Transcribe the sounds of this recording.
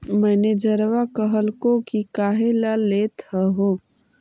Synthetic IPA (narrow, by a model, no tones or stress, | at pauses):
mɛːned͡ʒəɾʋakəɦəlkokikaːɦelaleːt̪həɦoː